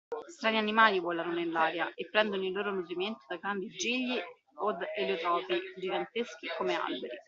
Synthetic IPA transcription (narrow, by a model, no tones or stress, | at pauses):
st̪ɾaːnianimaːlivwɔːlanonellaːɾjaʔepːɾɛnd̪onoilːoːɾomoviment̪o̥d̪aɡɾand̪id͡ʒːiʎːi | od̪elot̪ɾɔːpid͡ʒiɡant̪esk̟ikomea̰lbeɾi